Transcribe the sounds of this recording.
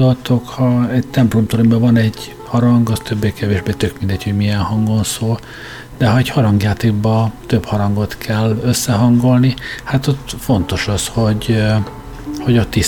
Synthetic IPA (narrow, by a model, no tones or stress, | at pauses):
olt̪o̞khɒɛɟ̚t̪ɛmplomt̪oɾimbɛvɒnɛɟ | hɒɾɒŋɡɒst̪øbːeːkɛveːʒbeːt̪ø̞kmind̪ɛɟho̞ɟmijɛnhɒŋɡo̞nsoːl | d̪ɛɦɒɛɟhɒɾɒŋɡjaːt̪eːɡ̚bɒt̪øbhɒɾɒŋɡo̞t̪kʰɛlːøsːɛɦɒŋɡo̞lnihat̪ot̪fo̞nt̪o̞ʃɒsho̞ɟ | ho̞ɟɒt̪i